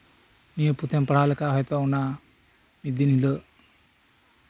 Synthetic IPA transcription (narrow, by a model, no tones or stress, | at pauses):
nijəput̪ʰɛmpəɽ̤alɛkaɦɔjt̪ɔuna | mid̪inɦilə